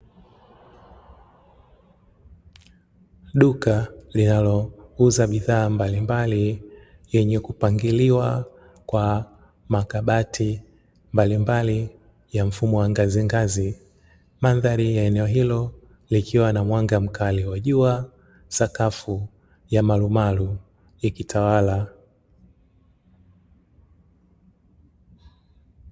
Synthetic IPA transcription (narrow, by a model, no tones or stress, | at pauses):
ɗukalinalɔuzaɓiðaːmbalimbali | jɛɲɛkupaŋɡiliwa | kwa | makaɓatʰi | mbalimbali | jam̩fumɔwaŋɡaziŋɡazi | maðaɾijaɛnɛɔɦilɔ | likʰiwanamwaŋɡam̩kʰaliwaʄua | sakafu | jamalumalu | jikitʰawala